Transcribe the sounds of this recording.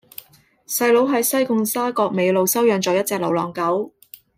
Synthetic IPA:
sɐ˧jlo˨˥wɦɐ˨˥jsɐ˥jkʊ˧ŋsaː˥kɔː˧k̚me˨˧jlo˨˧wsɐ˥wjœː˨˧ŋt͡ʃɔː˨˧jɐ˥t̚t͡sɛː˧k̚lo˨˩wlɔ̰ː˨˩ŋkɐ˨˥w

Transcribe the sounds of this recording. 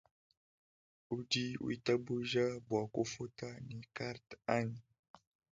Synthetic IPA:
u˦di˦ṵ˦i˨ta˦bu˦ʒa˦bwa˨ko˦fo˦ta˦ni˨ka˦ɾta˦ni˨

